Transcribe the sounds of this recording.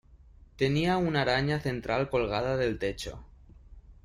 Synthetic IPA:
t̪e̞niaunaɾaɲaθe̞nt̪ɾʔalko̞lɣ̞aðaðe̞lt̪e̞t͡ʃo̰

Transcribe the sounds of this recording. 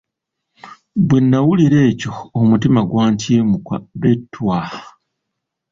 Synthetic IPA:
bwenːawuliɾe̞ːco̞ːmutimaɡwaːɲtiːmukwa̰βetʰːwa

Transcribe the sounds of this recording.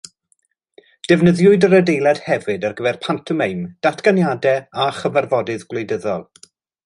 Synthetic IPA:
d̥ɛvnəðjʊɨdəɾədejlˠɛd̥hɛvɨdarɡəvɛrpʰantʰəmejmd̥atʰɡ̥anjadɛaχəvarvɔdɨðɡwlejdəðɔlˠ

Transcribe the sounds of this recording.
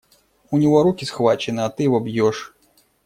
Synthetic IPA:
unʲiɣɔɾukʲisxvat͡ʃɛnɨat̪ɨvɔbjɔʂ

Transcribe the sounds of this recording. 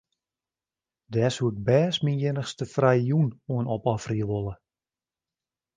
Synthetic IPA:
dɛːsuɪk̚bɛːsminjɪnəxstəfrɛjjunuənɔpɔfriəʋolˠə

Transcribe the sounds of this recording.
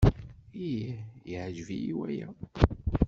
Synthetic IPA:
ijijiʕʒvijiwæjæ

